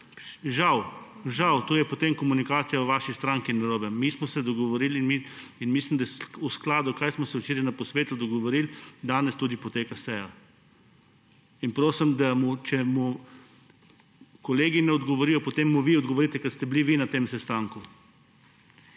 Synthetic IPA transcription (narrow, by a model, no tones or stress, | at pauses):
ʒaw | ʒawt̪oːjɛpot̪emkɔmunikaːt̪sijawʋaːʃist̪ɾaŋkinːɐɾoːbɛmismɔsɛd̪ɔɡɔʋoɾilinmiinmislimd̪asusklaːd̪ukajsmɔsɛut͡ʃeːɾjɛnapɔsʋeːt̪ud̪ɔɡɔʋɔɾild̪aːnɛst̪ud̪ipɔt̪eːkasɛja | inpɾoːsimd̪amut͡ʃɛmu | kɔleːɡinɛɔd̪ɡɔʋɔɾijɔpot̪emːuʋiɔd̪ɡɔʋoɾit̪ɛkɛɾst̪ɛbliʋinat̪eːmsɛst̪aŋku